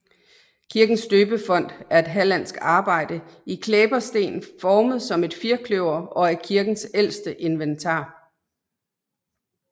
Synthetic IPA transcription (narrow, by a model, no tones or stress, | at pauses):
kʰiɐɡ̥n̩sd̥øːb̥əfɒ̽n̰d̥æɐe̝d̥ɦælæn̰sɡ̥ɑ̈ːb̥ɑ̈ɪ̰dəikʰleːb̥ɐsd̥e̝̰ːnfɒːməð̩ˠsɒ̽me̝d̥fiɐkʰløʊɐɒ̽æ̥kʰiɐɡ̥n̩sel̰sd̥əʔe̝nʋent͡sʰɑ̰̈ː